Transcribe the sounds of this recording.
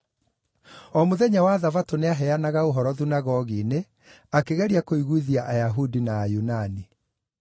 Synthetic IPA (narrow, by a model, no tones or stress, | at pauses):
ɔmoðɛɲawaðavatoneaɦɛanaɣaoɦɔɾɔðunaɣɔɣiːne | akeɣɛɾiakoiɣwuiðiaʔajaɦudinaːjunani